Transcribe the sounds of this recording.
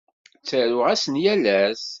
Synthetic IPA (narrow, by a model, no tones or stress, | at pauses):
t͡sːəɾʊʁæsənjælæs